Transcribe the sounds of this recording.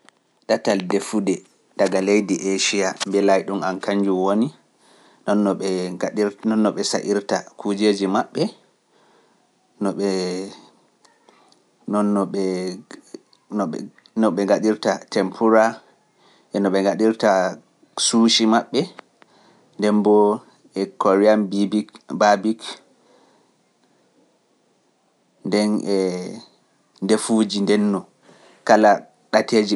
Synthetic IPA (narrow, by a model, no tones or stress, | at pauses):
ɗataldefudɛ | ɗaɡalejdiʔeʃiambɛlajɗumankaɲd͡ʒumwoni | nɔnːɔɛɗiɾnɔnːɔɓɛsaʔiɾtakʰud͡ʒeːd͡ʒimaɓːɛ | nɔɛ | ɔnːɔɛ | nɔɓɛŋɡaɗiɾtatʰɛmpʰuɾa | ʔɛnːɔɓɛŋɡaɗiɾta | suːʃimaɓːɛ | ndɛmbɔ | ɛkoɾianbibibabik | ndɛnʔɛ | ndefud͡ʒindɛnːɔ | kala | ɗateːd͡ʒi